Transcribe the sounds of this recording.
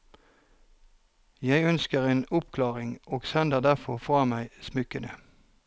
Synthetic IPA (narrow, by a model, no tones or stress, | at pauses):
jæɪœnskəʁeːnʊpkʰlɑːʁɪŋʔoːɡsɛnd̪əʁd̪æʁfɔʁfʁɑːmæɪsmʉkənə